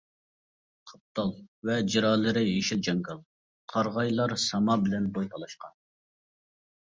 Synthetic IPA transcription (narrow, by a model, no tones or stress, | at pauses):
qʰə̥p̚t̪ʰɑlˠvɛd͡ʒiɾɑlˠːɪɾɪjeʃild͡ʒɑŋɡɑlˠ | qʰɑɾʁɑjlˠɑɾsɑmɑbɪlɛnbojt̪ʰɑlˠɑʃqɑn